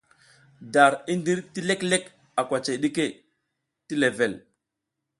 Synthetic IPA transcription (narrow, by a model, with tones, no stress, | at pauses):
da˨ɾi˦ndi˦ɾti˦le˦kle˦k | a˨kʷa˨t͡ʃe˨jɗi˦ke˦ | ti˦le˨ve˨l